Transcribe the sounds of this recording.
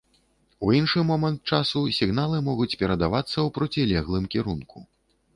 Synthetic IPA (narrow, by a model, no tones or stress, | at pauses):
uinʂɨmɔmɐnt̪̚t͡ʂasusʲiɣnalˠɨmɔɣut͡sʲpʲɛɾɐd̪avat̪sːɐwpɾɔt͡sʲilʲɛɣlˠɨmkʲiɾunku